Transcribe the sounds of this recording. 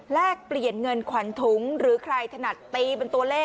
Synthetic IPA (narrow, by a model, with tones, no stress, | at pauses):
lɛː˥˩k̚pli˨˩ənŋɤ˧nkʰwa˨˩˦nt̪ʰu˩˦ŋɾɯː˩˦kʰɾa˧jt̪ʰa˧na˨˩t̪ːiː˧pe˧nt̪u˧ɐlɛː˥˩